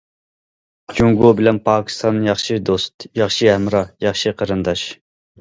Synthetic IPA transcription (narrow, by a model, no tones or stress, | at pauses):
d͡ʒʰuŋɡobɪlɛnpʰɑːkʲʰi̥st̪ʰɑnjɑχʃid̪ost̪jɑχʃihɛmɾɑjɑχʃiqʰɑɾɨnd̪ɑʃ